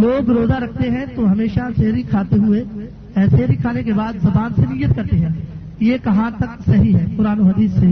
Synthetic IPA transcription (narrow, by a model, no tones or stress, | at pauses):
loːɡɾoːzaɾɐkʰt̪eɦɛ̃t̪oɦɐmeːʃaseːɾikʰaːt̪eɦʊe | ɛːseɾikʰaːnekebaːd̪zɐbaːnsenijːət̪kɐɾt̪eɦɛ̃ː | jekɐɦãt̪ɐksɐɦiɦɛːpʊɾaːnoɦɐd̪iːsːeː